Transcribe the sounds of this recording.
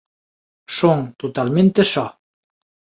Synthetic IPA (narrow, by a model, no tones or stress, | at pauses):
ʃoŋt̪ot̪ɑlment̪eʃɑ